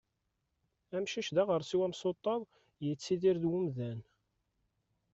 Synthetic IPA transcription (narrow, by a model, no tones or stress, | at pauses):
æmʃiʃðæʁəɾˤsiwæmsˤot̪ˤːɑðˤ | jət͡sːiðiɾðwʊmðæn